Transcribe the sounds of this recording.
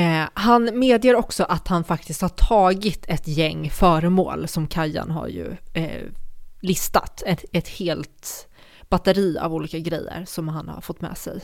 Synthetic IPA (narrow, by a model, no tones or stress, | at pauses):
hanmeːd̪jeɾɔksɔʔat̪hanfak̚t̪ɪst̪haʈʰɑːɡɪt̪ʰɛt̪jɛŋːfœːɾəmo̰ːlsɔmkʰajːa̰nɦa̰ɾjɵ̰ | lɪst̪at̪ɛɛt̪heːlt̪ | b̥at̪əɾiːa̰vuːliːkaɡɾɛjːə̰ɾsɔmhanha̰ɾfɔt̪ːmɛ̰ːsɛ̰j